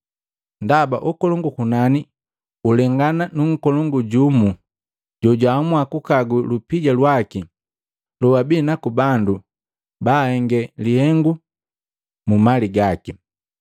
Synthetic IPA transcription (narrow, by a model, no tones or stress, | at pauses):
ndaba̰ʔɔkɔlɔŋɡukunani | ulɛŋɡananuŋ̩kɔlɔŋɡuɟumu | ɟɔɟwaːmwakukaɡulupiɟalwaki | lɔwabinakubandu | baːhɛŋɡɛlihɛŋɡu | mumaliɡaki